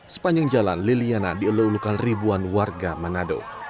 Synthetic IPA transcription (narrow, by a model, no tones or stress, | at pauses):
sə̥paɲd͡ʒaŋd͡ʒalanlilianadiuluulukanribuanwarɡamanado̰